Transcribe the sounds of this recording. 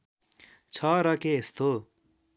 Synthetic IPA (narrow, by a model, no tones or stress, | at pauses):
t͡sʰʌɾʌkeːst̪o